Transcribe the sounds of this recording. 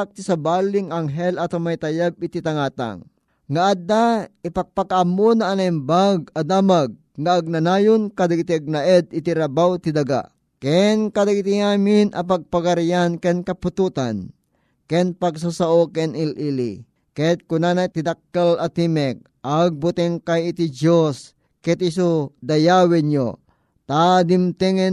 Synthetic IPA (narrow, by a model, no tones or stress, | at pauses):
ak̚t̪isabaːliŋaŋɦɛlʔat̪omajt̪ajabit̪it̪aŋaːt̪a̰ŋː | aʔad̪aipaɡ̚pakaʔamːonaʔanaimbaɡ̚ɐd̪aːmaɡ̚ŋaʔːɡ̚nanaːjonkad̪aɡit̪iaɡ̚naʔɛd̪it̪iɾabawt̪id̪aɡa̰ | kɛnkad̪aɡit̪ijaːminʔɐp̬aɡ̚paɡaɾjankɛnkɐput̪ut̪an | kɛnpaɡs̬asaʔokɛnilʔilḭ | kɛt̪̚kunanat̪id̪akːalat̪imɛk̚ʔaɡ̚but̪ɛŋkajit̪id͡ʒos | kɛt̪is̬od̪ajawɛɲjo | t̪ad̪imt̪ɛŋɛ